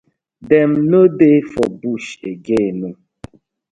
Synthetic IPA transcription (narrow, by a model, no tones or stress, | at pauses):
dem̩nodefɔbuʃeɡenu